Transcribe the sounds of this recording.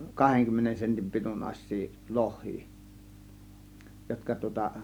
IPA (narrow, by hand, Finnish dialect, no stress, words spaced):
kɑheŋkymːenen sentim pitunːɑĭsˑiː lohˑiː jotkɑ tŭŏtɑ